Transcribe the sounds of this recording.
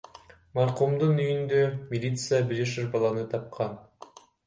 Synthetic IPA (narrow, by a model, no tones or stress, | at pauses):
mɑɾqumd̪unyjynd̪ømʲilʲit̪sɨjabiɾiʃɯɾbɑlˠɑnɯt̪ʰɑp̚qʰɑn